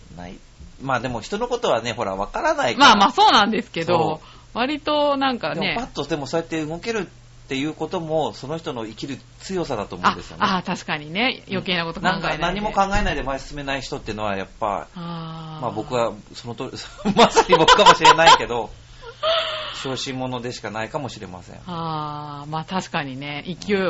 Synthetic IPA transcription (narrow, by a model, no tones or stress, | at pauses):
na̰i | maːd̪e̞mo̞çi̥t̪o̞no̞ko̞t̪o̞βane̞ɦo̞ɾa̰βakaɾanaimaːmaːso̞ːnãnd̪e̞sɨ̥ke̞d̪o̞ | βaɾʲit̪o̞nãŋkad̪emeopat̪ːod̪e̞mo̞so̞et̪ːe̞ɯ̟ɡo̞ke̞ɾɯ̟t̪ː | e̞jɯ̟ːko̞t̪o̞mo̞so̞no̞çi̥t̪ono̞ikʲiɾɯ̟ | t͡sɨjo̞sad̪at̪oːmoad̪esɨjonet̪aɕi̥kaɲ̟ine̞jo̞ke̞ːnako̞t̪ok̪nããŋkanãɲ̟ːimo̞kãŋɡae̞naid̪e̞maesɨ̥sɨme̞naiçi̥t̪o̞t̪ːeiɯ̟no̞βaja̰pːa̰amabo̞kɯ̟βasonot̪omasaɲ̟ʲibo̞kɯ̥kamo̞ɕiɾe̞naike̞d̪o̞ | ɕo̞ːɕĩmːo̞no̞d̪e̞ɕi̥kanaikamo̞ɕiɾe̞̰ma̰sḛ̃ŋamaːt̪aɕi̥kaɲ̟ine̞ikʲio